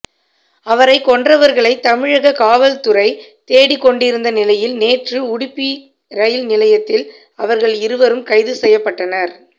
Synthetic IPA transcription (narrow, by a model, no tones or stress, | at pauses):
ɐʋɐɾɐɪkːɔɳdrɐʋɐɾɣɐɭɐɪt̪ːɐmɪɻɐɣɐkaːʋɐlt̪ʊɾɐɪt̪eːɽɪkːɔɳɖɪɾɯnd̪ɐnɪlɐjɪlneːʈrɯʊɽɪpːi | ɾɐjɪlnɪlɐjɐt̪ːɪl | ɐʋɐɾɣɐɭɪɾɯʋɐɾɯmkɐɪðɯsɛjːɐpːɐʈːɐnɐɾ